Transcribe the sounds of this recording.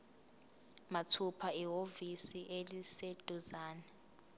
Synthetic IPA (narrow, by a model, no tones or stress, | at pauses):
matʰupʰaiɦovisiʔelised̥ʼʱuzaːnɛ